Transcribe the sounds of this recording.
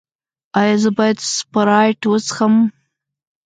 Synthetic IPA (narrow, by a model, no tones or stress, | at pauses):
ɑjazəbɑjad̪spaɾɑjʈwət͡səxəm